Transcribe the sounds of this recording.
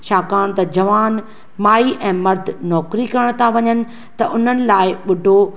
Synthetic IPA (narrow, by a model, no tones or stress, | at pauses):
ʃaːkaːɽ̃t̪ɐd͡ʑɐʋaːn | maːiʔɛ̃ːmɐɾd̪ʱnɔːkɾikɐɾəɽ̃t̪ʰãʋɐɲənɪ̆ | t̪ɐʔʊn̤ənɪ̆laːɪɓʊɖʱo